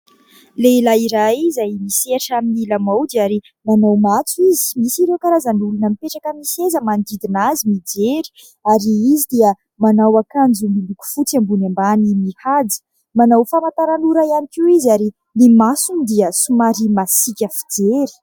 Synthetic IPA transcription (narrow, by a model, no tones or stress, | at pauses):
leilaiɾajizajmiseaʈ͡ʂaminilamawd̪iaɾi | manawmat͡suizi̥misiɾewkaɾazanulunəmipeʈ͡ʂakəmisezəmand̪id̪inazimid͡zeɾi̥ | aɾiizid̪iə | manawakand͡zumiluku̥fut͡sambunambanimihad͡zi̥ | manawfamant̪aɾanuɾaianikʲiwizaɾi | nimasumid̪iəsumaɾimasikʲəfid͡zeɾi̥